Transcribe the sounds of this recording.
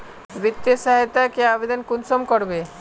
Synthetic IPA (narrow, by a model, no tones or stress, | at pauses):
bit̪ːisaɦet̪akeabed̪ankunsɔmkɔɾbe